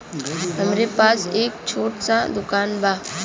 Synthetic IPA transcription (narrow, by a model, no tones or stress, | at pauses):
ɦɐmɾepaːseːk̚t͡ʃʰoːʈsad̪ʊkaːnbʱaː